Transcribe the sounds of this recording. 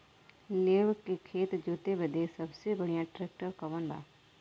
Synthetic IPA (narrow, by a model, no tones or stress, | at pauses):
leːʋkekʰeːt̪d͡ʒoːt̪ebed̪esɐbsebɐɽ̤ijãʈɾeːk̚ʈəɾkɐʋənba̰ː